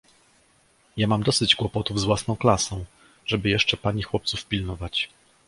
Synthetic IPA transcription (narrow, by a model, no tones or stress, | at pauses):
jamamd̪ɔsɘd͡ʑɡwɔpɔt̪uvzvwasnɔ̃w̃klasɔ̃w̃ | ʐɛbɘjɛʂt͡ʂɛpaɲixwɔp̚t̪sufpʲilnɔvat͡ɕ